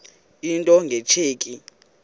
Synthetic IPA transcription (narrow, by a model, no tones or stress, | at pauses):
intʼɔŋɡʱɛt͡ʃʰeːkʼi